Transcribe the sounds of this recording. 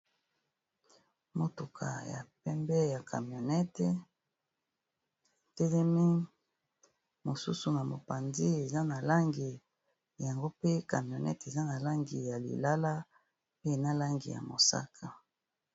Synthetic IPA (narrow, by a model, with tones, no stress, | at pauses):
mo˨tu˨kʰa̰˨ja̰˨pɛ˦mbɛ˦ja˨kʰa˨mjo˨nɛ˦te˦ | tɛ˦lɛ˦mi˦ | mo˨sṵ˦su˨na˨mo˨pa˨ndi˦e˨za˦na˨la˦ŋɡi˨ | ja˨ŋɡo˦pe˦ka˨mjo˨nɛ̰˦te˨za˦na˨la˦ŋɡi˨ja˨lḭ˨la˦la˦ | e˦e˨na˦la˦ŋɡḭ˨ja̰˨mo˨sa̰˦kʰa˨